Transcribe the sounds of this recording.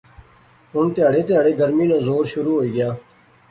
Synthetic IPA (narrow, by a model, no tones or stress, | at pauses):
ɦʊnt̪ɪjaːɽeːt̪ɪjaːɽeːɡəɾmiːnãːzoːɾʃʊɾuːɦoːiːɡɪjaː